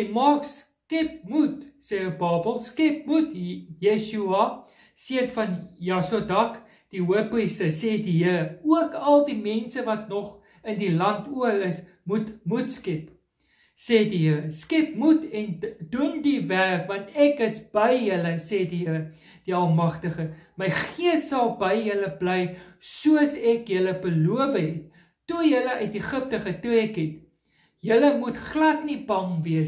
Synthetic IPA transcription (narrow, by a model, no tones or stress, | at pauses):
dimɑːks | kɛp̚mutsɛbɑːbəlˠskɛp̚mutjeʃuɐ | siətfɐnjɑsodɐk | d̥iuərpistəsɛːdiɦəɾuəkɐlˠdimɛnsəvɐtnɔχ | əndilɐntuəɾəs | mutmutskɛp | sɛdiɦəɾəskɛpmutɛndundiværkvɐntɛkəsb̥əjːələsejdiɦəɾə | d̥iɐlˠmɐχtəχəməjχiəsːɐlˠbəjɦələblɛjsuəəsɛkjələbəluəvəɦɛtː | ujələʔœɥtiχəp̚təχətuɛkɦɛt | jələmutχlɐtnibɐŋviəs